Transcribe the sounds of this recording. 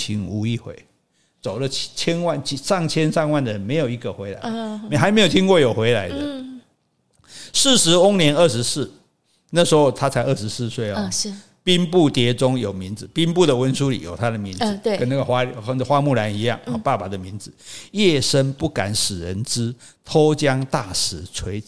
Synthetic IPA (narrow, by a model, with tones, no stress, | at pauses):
t͡ɕʰi˧˥ŋu˧˦i˥˩xwḛ˨˦ɪ | t͡so˨˩ʊlə˦t͡ɕʰjɛ˦˥nwa˥˨nt͡ɕʰi˧˦ʂɑ˥˨ŋt͡ɕʰjɛ˦nʂɑ˥˧ŋwa˥˩nd̪ə˩ə˧˦nme˧ɪjo˨˩ʊi˧˥ɡə˨xwe˧˥ɪla̰˧˦ɪxa˧˥ɪme˧˥jo˨˩t̪ʰi˥nkwɔ˥˩jo˨˩ʊxwe˧˥ɪla˧˦ɪdd̪ə˧ | s̩˥˨ʂɻ̩˧˥ʊ˦˥ŋnjɛ˧˦nə˥˩ʂɻ̩˧˥s̩˥˩ | na˥˩ʂ̩˧˥ho˧t̪ʰa˦t͡sʰa˧˥ɪʔə˥˩ʂ̩˧˦s̩˥˧swe˥˩ɪɔ˦˨˥ | pi˦npu˥˨t̪jɛ˧˥t͡sʊ˦˥ŋjo˨˩ʊmi˨˧˥nd͡z̩˧˦pi˥npu˥˨d̪ə˩wə˦nsu˥˦lḭ˨˩jo̰˨˩ʊt̪ʰa˦˥d̪ə˨mi˨˧˦n̩˨˧kə˦na˥˩ɡə˨xwa˦n˥˧xwa˦mu˥˨la˧˦ni˧˥jɑ̰˥˨ŋɔ˧˩pa˥˩pa˨˩d̪ə˦mi˧˥nd͡z̩˧˦jɛ˥˩ʂə˦˥npu˥˩ka̰˨˩˦nʂɻ̩˨˩ɻə̰˧˦nt͡sɻ̩˦˥ | t̪ʰo˦ʊt͡ɕjɑ˦ŋt̪a˥˩ʂɻ̩˧˦t͡sʰwe˧˥ɪ˨